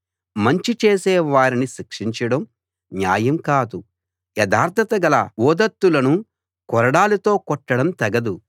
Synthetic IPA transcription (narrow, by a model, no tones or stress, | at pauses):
mɐɲt͡ʃit͡ʃeːseːʋaːɾiniʃikʂiɲt͡ʃɐɽɐm | nja̰ːjɐmkaːd̪u | jɛd̪aːɾd̪ʰʱɐt̪ɐɡɐlɐ̰bɔːd̪ɐt̪ːulɐnu | kɔɾɐɽaːlut̪o̞ːkɔʈːɐɽɐmt̪ɐɡɐd̪u